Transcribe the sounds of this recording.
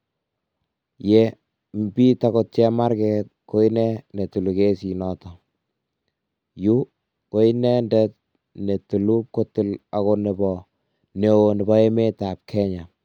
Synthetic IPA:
jɛ˨ | mbi˦ta˨kɔt̚t͡ʃɛ˦ma˦ɾkɛt̚ko˦i˦nɛ˦ne˨tu˨lu˨ke˦si˨nɔ˨tɔ˨ | ju˦ | ko˦inɛ˦ndɛt̚ | ne˨tu˨lu˦p̚ko˦tu˦la˨kɔ˨nɛ˨bɔ | ne˨o˨nɪ˨bɔ˦e˦me˦ta˨p̚kʰɛ˦ɲa˨

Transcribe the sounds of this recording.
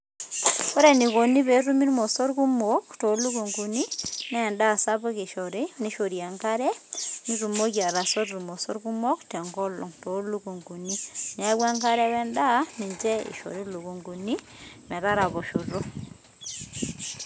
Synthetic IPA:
ko˦ɾɛ˦˨ni˨ko˨ni˦βe˨˦ɾu˦mi˦ɾu˦mɔ˨sɔ˦ɾku˦mo˦kto˨˦lu˦ko˨ŋɡu˨ni˦nɛː˦˨nda˦˨sa˦βɔ˦kɪ˨ʃɔ˨ɾɪ˦ni˦ʃo˨ɾja˨ŋka˦ɾɛ˦ni˦ɾu˨mo˦kja˨ɾa˨sɔ˦ɾɾu˨mɔ˨sɔ˦ɾku˦mɔ˦ktɛ˨ŋɡɔ˦lɔ̰˨ŋto˨˦lu˦ku˨ŋɡu˨ni˦nɪ˨a˦wa˦ŋka˦ɾɛ˦wɛ˦nda˦nɪ˨ɲd͡ʒɛ˦ɪ̰˨ʃɔ̰˨ɾɪ˦lu˨ku˨ŋɡu˨ni˦ | mɛ˨ða˦ɾa˨βɔ˨ʃu˨ɾo˦

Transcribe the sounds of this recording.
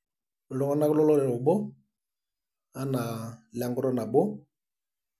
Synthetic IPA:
lɔ˨˦ŋɔ˦na˦kʊ˦lɔ˦lɔ˦ɾɛ˨ɔ˨bo˦ | a˦na˨la˨ŋɡʊ˦ɾɔ˦na˨bʊ˦

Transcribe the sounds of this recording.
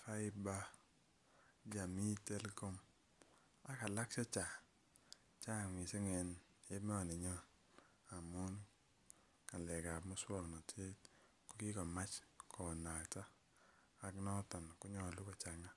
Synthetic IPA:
fa˦i˦ba˦ | d͡ʒa˨mi˦tɛ˦lkɔ˦m | a˨ka˨la˦ksɔ˦t͡ʃa˨ | t͡ʃa˦˨ŋi˨se˦ŋɛ˨n | e˦me˦ɔ˨ni˨ɲɔ˦ | a˨mu˦n | a˨lɛ˨ka˨pmɔ˦swɔ˦˨knɔ˨tʰe˦t | kɔ˦ki˦kɔ˨ma˦t͡ʃkɔ˨na˨taː˦˨ | knɔ˦tɔ˨n˨ku˦ɲɔ˦˨lu˦kɔ˨t͡ʃa˨ŋa˦

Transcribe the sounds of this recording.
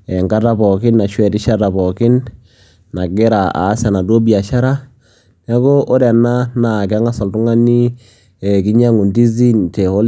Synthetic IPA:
ɛ˨ŋka˦ta˦bɔ˨kɪ˦nːa˨ʃwɛ˨tɪ˦ʃa˦ɾa˨pɔ˨kɪ˦nː | a˨ɡɪ˦ɾa˨a̰ː˨˦sɛ˨na˨do˦bi˨a˨ʃa˦ɾa˦ | nɛ˦ko˦ʔɔ˦ɾɛ˨na˦na˨k̬a˦ŋa˦sa˨ltʊ˦ŋa˦ni˦ | ɛ˨k̬ɪ˦ɲa˦ŋu˨ndi˦zi˦ntɛ˨o˦l

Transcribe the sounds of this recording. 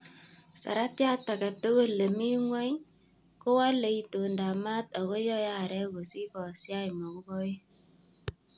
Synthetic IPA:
sa̰˨ɾa˦tja˦ta˨kɛ˨to˦ɣo˦le˨mi˦ŋwa˦ɲ | ko˦wa˦le˨i˨to˨nda˨ma˦ta˨ɣo˦jɔ˦ja˦˨ɾɛ˦ko˨si˦kɔ˨sja˦jmɔ˨ko˦bɔ˦i˦

